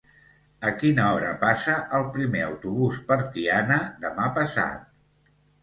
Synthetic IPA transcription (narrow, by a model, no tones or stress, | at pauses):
əkinəɔɾəpasəʔəlˠpɾimeəwt̪uβuspəɾt̪ianəd̪əmapəsa̰t̪̚